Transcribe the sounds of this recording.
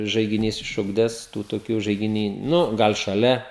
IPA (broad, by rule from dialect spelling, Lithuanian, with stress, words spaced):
ʒɐɪɡʲɪˈnʲiːs ɪʃˈʊɡdʲæːs ˈtuː toːˈkʲuː ʒɐɪɡʲɪˈnʲiː ˈnʊ ˈɡɐlˠ ʃɐˈlʲɛ